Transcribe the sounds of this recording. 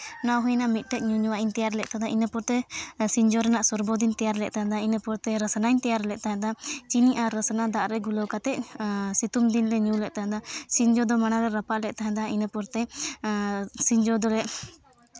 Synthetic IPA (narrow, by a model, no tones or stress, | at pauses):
nawɦɔjnaʔmit̪̚ˀʈɛʔ̚ɲuɲuwaʔint̪ɛjaɾlɛʔ̚ˀt̪ad̪aʔinəpɔɾt̪ɛsiɲd͡ʒɔɾɛnaʔsɔɾbod̪int̪ɛjaɾlɛʔ̚ˀt̪aɦɛ̃d̪ainəpɔɾt̪ɛɾəsənaɲt̪ɛjaɾlɛʔˀt̪aɦɛ̃d̪at͡ʃiniʔaɾːəsənad̪aʔɾɛɡulɔwkat̪ɛʔsit̪umd̪inlɛɲũlɛʔ̚t̪aɦɛ̃d̪asiɲd͡ʒɔd̪ɔmanaɾɛɾəpaʔlɛʔ̚t̪aɦɛ̃d̪ainəpɔɾt̪ɛ | siɲd͡ʒɔd̪ɔlɛʔ